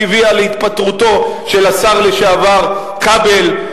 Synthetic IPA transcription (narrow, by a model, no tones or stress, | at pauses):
vialeit̪̚pat̪ʁut̪o̞ʃe̞lasaʁleʃeavaʁ | kabel